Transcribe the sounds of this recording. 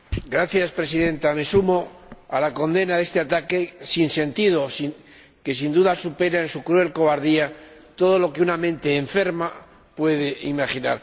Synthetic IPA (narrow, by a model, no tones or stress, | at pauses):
ɡɾaθjaspɾe̞siðe̞nt̪ame̞sumo̞alako̞nd̪e̞naðe̞st̪e̞at̪ake̞sinse̞nt̪iðo̞s | ke̞sind̪uðasupe̞ɾaensukɾue̞lko̞βaɾðiat̪o̞ð̞o̞lo̞ke̞unamẽ̞nt̪e̞ːɱfe̞ɾma | pwe̞ðe̞imaχinaɾ